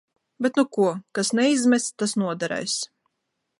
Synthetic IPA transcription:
bʲɛt̪nukuɔkasnɛizmʲɛst̪asnuɔd̪aɾɛ̰js

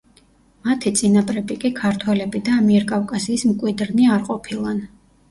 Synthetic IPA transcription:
mat̪ʰit̪sʼinapʼɾɛbikʼikʰaɾt̪ʰwɛlɛbid̪aːmiɛɾkʼafkʼasiːsmkʼwid̪ɾniaɾqʼɔpʰilˠan

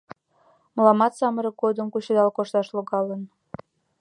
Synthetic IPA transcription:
məlɑmɑt̪sɑməɾək̚ɡod̪əmkut͡ɕəd̪ɑlkoʃt̪ɑʃloɣɑlən

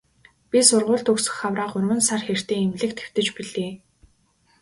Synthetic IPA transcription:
pʲisʊrʁʊːɮt̪ɵksɵ̥̆xawraːqʊrmɘ̆nsarxer̥t̪eːŋemɮɘ̆k̚t̪xe̥w̥t̪ɘ̆t͡ɕpiɮeː

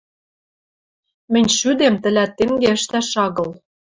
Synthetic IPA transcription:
mɘ̆nʲʃyd̪emt̪ɘ̆læt̪ːeŋɡeə̆ʃt̪æʃɑɣɤ̆l

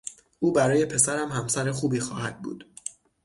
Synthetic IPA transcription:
ʔuːbæɾɒːje̞pʰe̞sæɾæmhæmsæɾexuːbiːxɒːhæd̪̥̚bṵːd̪̥

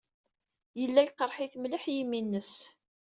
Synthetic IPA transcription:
jəlːæjqəɾˤħiθmləħjiminːəs

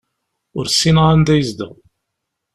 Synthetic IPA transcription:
ʊɾsːinʁænd̪æjəzd̪ə̰ʁ

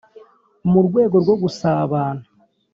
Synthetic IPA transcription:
muɾɡwe̞ːɡo̞ɾɡwo̞ɡusaːβaːna

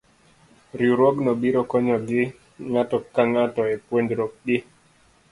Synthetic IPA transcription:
ɾjuɾoɡnɔbiɾɔkɔɲɔɡɪ | ŋatɔkaŋatɔɛpwendɾok̚ɡɪ

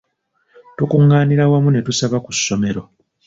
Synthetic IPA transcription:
tukuŋɡaːniɾawamune̞tusaβakusːo̞me̞ɾo̞

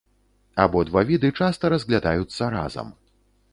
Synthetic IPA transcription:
abɔd̪vavʲid̪ɨt͡ʂast̪ɐɾɐzɣlʲad̪ajut̪sːɐɾa̰zɐ̰m

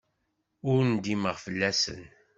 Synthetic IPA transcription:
ʊɾnd̪iməʁfəlːæsə̰n

